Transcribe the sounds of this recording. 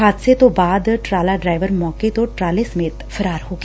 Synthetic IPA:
aːt̪set̪obaːd̪ʈɾaːlaɖɾaːɪʋəɾmɔːket̪oʈɾaːlesɐmeːt̪fɐɾaːɾɦoːɡ

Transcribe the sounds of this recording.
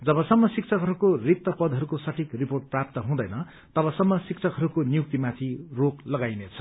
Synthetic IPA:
d͡zʌbʌsʌmːʌsik̚t͡sʰʌkɦʌɾukorik̚t̪ʌpʌd̪ʱɦʌɾukosʌʈʰikriporʈ̚prap̚t̪ʌɦũd̪ʌjnʌ | t̪ʌbʌsʌmːʌsik̚t͡sʰʌkɦʌɾukonijuk̚t̪imãt̪ʰiroklʌɡajnet͡sʰʌ̥

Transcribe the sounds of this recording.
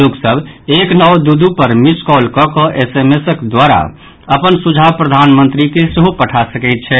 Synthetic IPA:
loksəbʱeknɔwd̪ud̪upəɾmiskɔlkɔkɔʔesemesəkd̪waɾa̰ | əpənsud͡ʒʱapɾəd̪ʱanmə̃nt̪ɾikesəɦupəʈʰasəkɛɪt̪̚t͡ʃʰɛ

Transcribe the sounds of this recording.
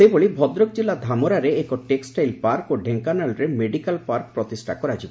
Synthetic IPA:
seboɭibʱɔd̪ɾok̚d͡ʑilːad̪ʱamoɾaɾeekoʈeksʈajlpaɾkoɖʱeŋkanalɾemeɖikalpaɾk̚pɾɔt̪isʈʰa̰kɔɾat͡ʃʰibe

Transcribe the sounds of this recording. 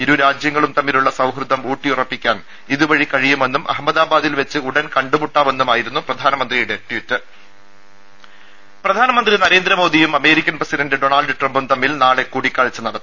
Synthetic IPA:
iɾuɾaːd͡ʑjɐŋːɐɭumt̪ɐmːiluɭːɐsɐwɦrɨd̪ʱːɐmuːʈːijurɐpːikʲːaːn | iðuʋɐɻikɐɻijume̞nːumʔɐ̰ɦɐmːɐðaːbaːðilʋet͡ɕːɨuɽɐnkɐɳɖumuʈːaːʋe̞nːumaːjiɾunːuprɐd̪ʱaːnɐmɐnd̪rijuɽe̞ʈːjutːɨ | prɐd̪ʱaːnɐmɐnd̪rinɐɾe̞ːnd̪ɾɐmo̞ːd̪ijumɐme̞ːɾikʲːɐnprɐsidɐndɨɖo̞naːlɖɨʈrɐmbumt̪ɐmːilnaːɭe̞kuːɽikʲːaːɻit͡ɕːɨnɐɽɐt̪ːɨ̥

